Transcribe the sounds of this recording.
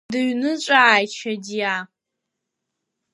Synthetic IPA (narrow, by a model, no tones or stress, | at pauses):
dɨɥnɨt͡ʃʷʼaːjt͡ʃʰadja